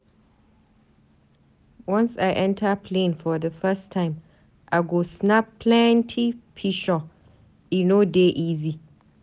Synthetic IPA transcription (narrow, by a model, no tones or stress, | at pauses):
wʌ̃nsajʔɛ̃ntʰapʰlẽnfɔðəfɛstʰːãɪ̃m | ʔaɪɡosnapːʰlɛntʰipʰiʃɔ | inodeʔiːzi